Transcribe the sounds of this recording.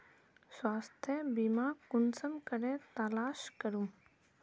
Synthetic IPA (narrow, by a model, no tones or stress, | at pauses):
swaːst̪ʰjəbimaːkʊnsəmkəɾẽt̪aːlaːʃkəɾum